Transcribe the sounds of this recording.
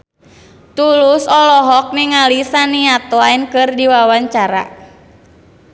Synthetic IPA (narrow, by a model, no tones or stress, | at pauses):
t̪ulusɔlɔɦɔk̚niŋalisaniat̪ɔainkɨrdiwawaɲt͡ʃaɾa̰